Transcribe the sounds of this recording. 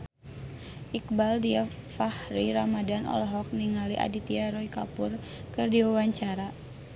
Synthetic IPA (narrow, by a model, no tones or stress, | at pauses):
ʔik̚baldiafahɾiɾamadanʔɔ̰lɔɦɔk̚niŋaliʔa̰dit̪iaɾɔikapur | kɨrdiwawaɲt͡ʃaɾa